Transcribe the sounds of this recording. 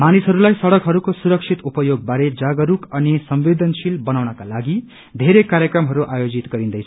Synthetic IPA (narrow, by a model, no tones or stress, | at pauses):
manisɦʌɾulajsʌɽʌkɦʌɾukosuɾʌk̚sʰit̪upʌjoɡ̚baɾed͡zaɡʌɾukʌnisʌmʋed̪ʌnsilbʌnawnʌkalaɡi | d̪ʱeɾekaɾjʌkrʌmɦʌɾuʔajod͡zit̪ɡʌɾĩnd̪ʌjt͡sʰ